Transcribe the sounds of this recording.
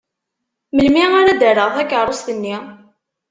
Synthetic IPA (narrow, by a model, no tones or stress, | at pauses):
məlmiaɾæd̪əɾəʁθækːəɾˤost̪ənːi